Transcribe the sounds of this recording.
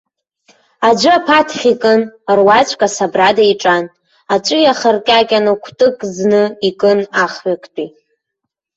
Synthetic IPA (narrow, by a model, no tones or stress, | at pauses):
ad͡ʒʷɨapʰatʰχʲikʼɨnrwat͡ɕʷʰʼkʼasabradaiʈ͡ʂʼan | at͡ʃʷʼɨjaχərkʲʼakʲʼanɨkʷʰtʼɨkʼznɨikʼɨnaχɥakʷʼʰtʼi